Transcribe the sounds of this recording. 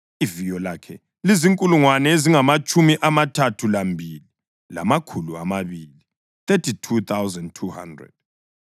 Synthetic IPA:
ivijɔlakʰɛ | liziŋkʼuluŋwanɛeziŋamat͡ʃʼumiʔamatʰatʰulambʱili | la̰makʰulua̰maβili | t̪etʰitʰut̪ʰawzɛndtʰuha̰ndrɛ̰d̥̚

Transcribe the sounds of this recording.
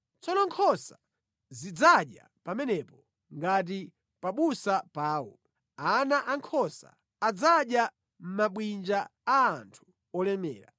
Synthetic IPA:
t͡sɔnɔŋkʰɔsa | zid͡zaɗja̰ | pamɛnɛpɔ | ŋɡat̬i | paɓusapaːwɔ̰ | anaʔaŋkʰɔsa̰ː | d͡zaɗja | m̩maɓwind͡ʒaaːntʰu̥ | ɔlɛmɛ̰ːɾa̰

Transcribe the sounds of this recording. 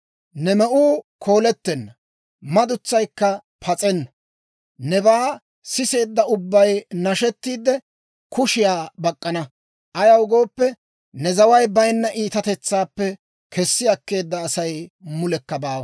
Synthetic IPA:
nɛmɛʔuːkʰo̞ːlɛt̪ːɛnːɐ | mɐd̪ʊt͡sːɐjkːɐ | pʰɐt͡sʼɛnːɐ | nɛbaː | sɪse̞ːd̪ːɐʊbːɐjnɐʃɛt̪ːiːd̪ɛ | kʰʊʃɪjaːbɐkʼːɐnɐ | ʔɐjɐwʊɡo̞ːpːɛ | nɛzɐwɐjbɐjnːɐʔiːt̪ɐt̪ɛt͡sːaːpːɛ | kʰɛsːɪɐkːe̞ːd̪ːɐːsɐjmʊlɛkːɐbaːwɐ

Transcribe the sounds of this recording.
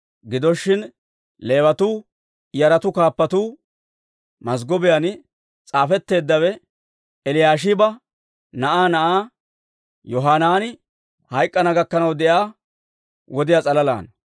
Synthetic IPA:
ɡɪd̪ɔʃːɪn | le̞ːwɐt̪uː | jɐɾɐt̪ʊkaːpːɐt̪uː | mɐs̬ɡɔbɪjan | t͡sʼaːfɛt̪ːe̞ːd̪ːɐwɛ | ɛlɪjaːʃ̬ɪbɐ | nɐʔaːnɐʔaː | jɔɦaːnaːnɪ | hɐjkʼːɐnɐɡɐkːɐnɐwd̪ɛʔaː | wɔd̪ɪjat͡sʼɐlɐla̰ːn

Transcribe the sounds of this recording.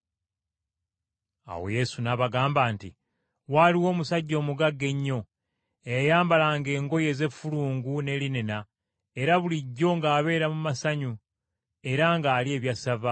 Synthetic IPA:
a̰wo̞̰je̞sunaβaɡaːmbaːnti | waliwo̞ːmusaɟːo̞ːmuɡaɡːe̞ɲːo̞ | ejajaːmbalaŋɡe̞ːŋɡo̞je̞ːze̞fːuluːŋɡune̞linena | e̞ɾaβuliɟːo̞ŋɡaːβe̞ːɾamumasaɲu | e̞ɾaŋɡaːlie̞ːβjasava

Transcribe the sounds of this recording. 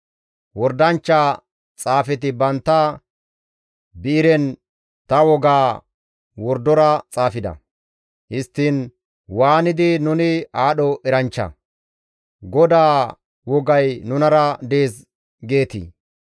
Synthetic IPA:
wɔɾd̪ɐnt͡ʃːa | t͡sʼaːfɛt̪ɪbɐnt̪ːɐ | bɪɪɾɛn | t̪ɐwɔɡaː | wɔɾd̪ɔɾɐt͡sʼaːfɪd̪ɐ̰ | hɪst̪ːin | waːnɪd̪ɪnʊnɪaːɗɔʔɛɾɐnt͡ʃːɐ̰ | ɡɔd̪aː | wɔɡɐjnʊnɐɾɐd̪e̞ːs | ɡe̞ːt̪ḭː

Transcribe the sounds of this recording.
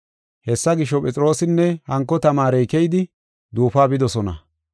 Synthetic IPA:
hɛsːɐɡɪʃːɔpʼɛt͡sʼɾo̞ːsɪnːɛhɐŋkːɔt̪ɐmaːɾɛjkɛjd̪ɪ | d̪uːfaːbɪd̪ɔsɔnɐ̰

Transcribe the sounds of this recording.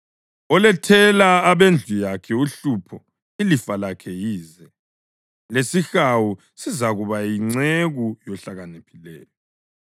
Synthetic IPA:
ɔlɛtʰɛlaːβend͡ɮʱujakʰɛuɬupʰɔ | ilifalakʰɛjiːzɛ | lesixawu | sizaɣuβajiŋ͡ǀeɣujɔɬaɣanepʰi̥lɛːlɛ

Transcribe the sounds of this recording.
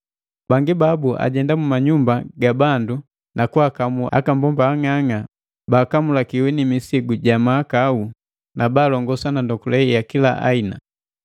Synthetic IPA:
baŋɡibabuʔa̰ɟɛndamumaɲumbaɡabandu | nakuakamua̰kambɔmbaːŋaŋa | baːkamulakiwɛnimisiɡuɟamaːkau | nabaːlɔŋɡɔsanandɔkulɛijakila̰ʔa̰ina

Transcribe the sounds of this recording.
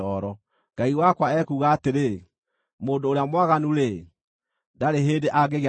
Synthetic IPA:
ɔɾɔ | ŋɡ̥aiwakwaɛkuːɣaːteɾe | moːndoːɾeamwaɣanuɾe | daɾeɦeːndeʔaɡeɣ

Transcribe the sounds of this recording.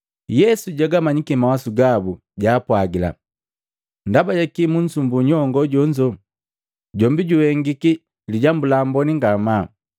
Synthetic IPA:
jɛsuɟaɡamaɲikimawasuɡabu | ɟaːpwaɡila̰ | ndabajakimuɲ̩sumbuɲɔŋɡɔɟɔɲd͡ʒɔ | ɟɔmbiɟuhɛŋɡiki | liɟambulambɔniŋɡama

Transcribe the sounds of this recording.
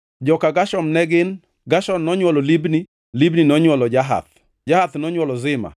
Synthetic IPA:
d͡ʒɔkaɡaʃɔmnɛɡɪn | ɡaʃɔmnɔɲwɔlɔlibni | libninɔɲwɔlɔd͡ʒaɦa̰t̪̚ | d͡ʒahat̪nɔɲwɔlɔzɪma̰

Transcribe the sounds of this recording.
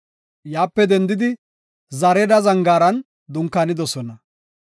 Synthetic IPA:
jaːpːɛd̪ɛnd̪ɪd̪ɪ | zɐɾɛd̪ɐzɐŋɡaːɾɐn | d̪ʊŋkːanɪd̪ɔsɔnɐ

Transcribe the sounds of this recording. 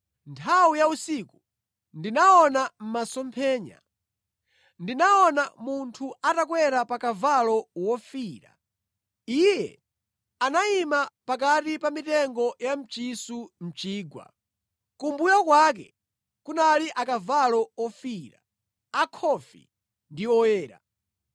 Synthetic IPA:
ntʰawujausiku | ndinaɔnam̩masɔmpʰɛːɲa̰ | ndinaɔnamuntʰuatakwɛɾapakavalɔwɔfiːɾa̰ | ijɛ̰ | anaimapak̬atipamitɛŋɡɔjam̩t͡ʃisum̩t͡ʃiːɡwa̰ | kumbujakwak̬ɛ̰ | kunaliʔakavalɔɔfiɾa̰ | akʰɔfḭ | ndiɔjɛːɾa̰

